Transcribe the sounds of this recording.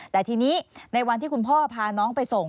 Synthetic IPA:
t̪ɛː˨˩t̪ʰiː˧niː˦˥na˧jwa˧nt̪ʰiː˥˩ku˧npʰɔː˥˩pʰaː˧nɔː˦˥ŋpa˧jso˨˩ŋ

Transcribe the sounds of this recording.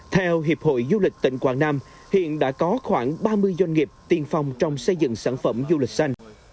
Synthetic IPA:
t̪ʰɛ˧wɦi˨˩əp̚ho̰˧˨jzu˧lï˨˩k̟̚t̪ḭ̈˧˨ŋ̟kwaː˧˩ŋnaː˧m | hḭ˧˨ənɗa̰ː˧˥kɔ˨˦xwaː˧˩ŋɓaː˧mɨ˧əjzwa˧jŋ̟ŋi˨˩əp̚t̪i˧nfa˧wŋ͡mt͡ɕɔ˧wŋ͡msə˧jzɨ̰˧˨ŋsaː˧˩nfə˧˩mzu˧lï˨˩k̟̚sa˧jŋ̟

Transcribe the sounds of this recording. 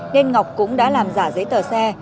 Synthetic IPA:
ne˧nŋa˨˩wk͡p̚kʊ̰˧˥ŋ͡mɗa̰ː˧˥laː˨˩mzaː˧˩zə˨˦jt̪əː˨˩sɛ˧

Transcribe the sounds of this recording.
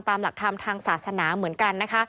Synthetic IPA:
mt̪aː˧mla˨˩k̚t̪ʰa˧mt̪ʰaː˧ŋsaː˨˩t̚sa˧naː˩˦mɯ˩˦ənka˧nːa˦˥kʰa˦˥

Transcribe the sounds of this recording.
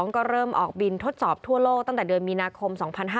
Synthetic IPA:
ŋkɔː˥˩ɾɤː˥˩mʔɔ̰ː˨˩k̚bi˧nt̪ʰo˦˥t̪̚sɔː˨˩p̚t̪ʰu˥˩ɐloː˥˩k̚t̪a˥˩ŋt̪ɛː˨˩dɯ˧ənmiː˧naː˧kʰo˧msɔː˩˦ŋpʰa˧nɦaː˥

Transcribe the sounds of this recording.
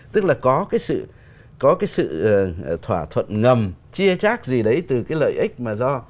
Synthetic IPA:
t̪ɨ˦˥k̚laː˨˩kɔ˨˦kaː˨˦jsɨ̰˧˨ | kɔ˨˦kaː˨˦jsɨ̰˧˨˩t̪ʰwaː˧˩t̪ʰwə̰˧˨nŋə˨˩mt͡ɕi˧ət͡ɕaː˦˥k̚zi˨˩ɗə˨˦jt̪ɨ˨˩kaː˨˦jlə̰ː˧˨jʔï˦˥k̟̚maː˨˩zɔ˧

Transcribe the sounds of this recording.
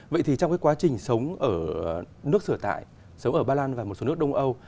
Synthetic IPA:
və̰˧˨jt̪ʰi˨˩t͡ɕɔ˧wŋ͡mkaː˨˦jkwa˨˦t͡ɕï˨˩ŋ̟sə˨˦wŋ͡mʔəː˧˩ | nɨ˦˥ək̚sɨː˧˩ət̪a̰ː˧˨j | sə˨˦wŋ͡mʔəː˧˩ɓaː˧laː˧nvaː˨˩o˨˩tso˨˦˥ək̚ɗə˧ŋ͡mʔə˧w

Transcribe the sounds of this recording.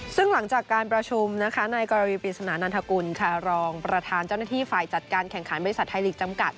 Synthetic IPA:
sɯ˥˩ŋla˩˦ŋt͡ɕaː˨˩kːaː˧npɾa˧t͡ɕʰu˧mna˦˥kʰa˦˥na˧jkɔː˧ɾa˧wiː˧pi˨˩t̪̚sa˧naː˩˦nʔa˧nt̪ʰa˧ku˧nkʰa˥˩ɾɔː˧ŋpɾa˧t̪ʰaː˧nt͡ɕa˥˩wnaː˥t̪ʰiː˥˩faː˨˩jt͡ɕa˨˩t̪̚kaː˧nkʰɛ˨˩ŋkʰa˩˦nbɔ˧ɾi˧˥sa˨˩t̪̚ʰːa˧jliː˨˩k̚t͡ɕa˧mka̰˨˩t̪̚

